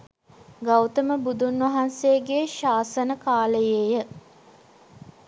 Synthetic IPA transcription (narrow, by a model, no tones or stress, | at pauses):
ɡawt̪əməbud̪unʋɐɦanseɡeʃaːsənəkaːləjejə